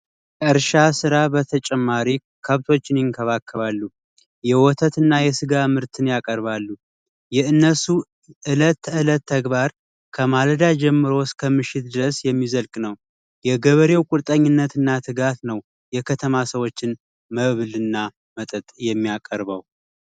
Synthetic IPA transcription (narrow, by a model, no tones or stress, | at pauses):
ɨɾʃasɨɾabət̪ʰət͡ʃʼɛmːaɾi | kʰəβt̪ʰo̞t͡ʃːɪnjɪŋkʰəβakːəβalːu | jɛwɔt̪ʰət̪ɨnːajɛsɨɡamɨɾt̪ʰɨnjakʼəɾβalːu | jɛɨnːəsu | ʔɨlət̪ɨlət̪ʰːəɡβaɾ | kʰəmaləd̪ad͡ʒɛmːɨɾo̞skʰəmɨʃɪt̪̚d̪ɨɾəsjɛmːizəlkʼnəw | jɛɡəβəɾe̞wkʼuɾt̪ʼəɲːɪnːət̪ɨnːat̪ʰɨɡat̪nəw | jɛkʰət̪ʰəmasəwo̞t͡ʃːɪn | məβlɨnːa | mət̪ʼət̪ʼjɛmːiakʼəɾβəw